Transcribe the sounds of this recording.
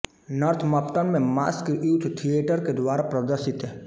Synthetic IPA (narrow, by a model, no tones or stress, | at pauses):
nəɾt̪ʰməpt̪ənmẽma̰ːskeʔut̪ʰt̪ʰijeːʈəɾked̪waːɾapɾɐd̪əɾʃɪt̪ɦɛː